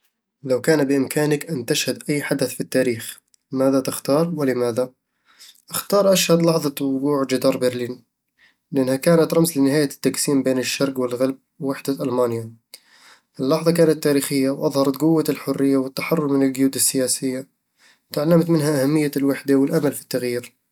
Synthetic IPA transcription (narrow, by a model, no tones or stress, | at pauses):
lawkaːnbɪʔɪmkʰaːnɪkʔant̪aʃhad̪ʔajːħad̪aθfit̪ːaːɾiːx | maːðat̪ɪxt̪ɑːɾˤwɪlɪmaːða | ʔɪxt̪ɑːɾˤʔaʃhad̪lɑħðˤɑwʊɡuːʕd͡ʒɪd̪ɑːɾˤbɪɾliːn | lɪʔanːhakaːnat̪ɾˤɑmslɪnɪhaːjat̪ːaksiːmbeːnɪʃːɑɾˤɡwɪlɣalb̚wwaħd̪aʔælmaːnja | ʔɪlːɑħðˤɑkaːnat̪ːaɾiːxɪjːawʔɑðˤhɑɾˤɑt̪ɡʊwːalħʊrːɪjːawɪt̪ːaħɑrˤːʊɾmɪnɪlɡjuːd̪ɪsːɪjæsɪjːa | t̪aʕalːamt̪mɪnhaʔahamːɪjːalwaħd̪awɪlʔamalfi̥t̪ːaɣjiːɾ